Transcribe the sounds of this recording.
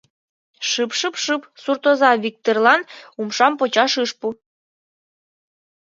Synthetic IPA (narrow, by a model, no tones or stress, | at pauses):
ʃɨpʃɨpʃɨpsurt̪ozɑvik̚t̪orlɑnumʃɑmpot͡ɕɑʃɨʃpu